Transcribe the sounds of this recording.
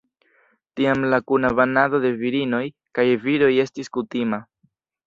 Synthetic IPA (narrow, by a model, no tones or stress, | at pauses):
tiamlakunaβanado̞d̪e̞viɾino̞j | kajviɾo̞je̞stiskutima